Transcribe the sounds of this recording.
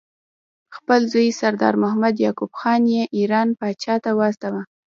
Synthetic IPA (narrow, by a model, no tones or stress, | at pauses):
xpəlzujsaɾd̪ɑ̰ɾmʊhamad̪jɑkubxɑnjeʔiɾɑnpɑt͡ʃɑt̪awəast̪awa